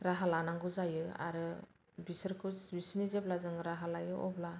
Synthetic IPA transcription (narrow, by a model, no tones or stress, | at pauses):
ɾaɦalanaŋɡɯzajɯa̰ɾɯ | bisɯɾkʰubisinizeblazɯŋɾaɦalajɯʔɔbla